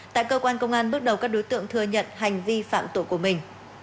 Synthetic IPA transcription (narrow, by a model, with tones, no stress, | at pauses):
t̪a̰ː˧˨jkəː˧kwaː˧nkə˧wŋ͡mʔaː˧nɓɨ˦˥ək̚ɗə˨˩wkaː˦˥k̚ɗo˨˦jt̪ɨ̰˧˨əŋt̪ʰɨ˨˩əɲə̰˧˨nɦa˨˩jŋ̟vi˧fa̰ː˧˨mt̪o̰˧˨jku˧˩əmï˨˩ŋ̟